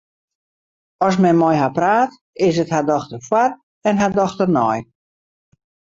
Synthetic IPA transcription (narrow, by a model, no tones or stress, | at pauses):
ɔs̬mɛnmɔjɦapraːt | ɪs̬əthadɔxtərfwar | ɛnɦadɔxtərnɔj